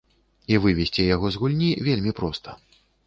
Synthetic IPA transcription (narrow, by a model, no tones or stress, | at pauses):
ivɨvʲɛsʲt͡sʲɛjaɣɔzɣulʲnʲivʲelʲmʲipɾɔst̪ʰɐ̥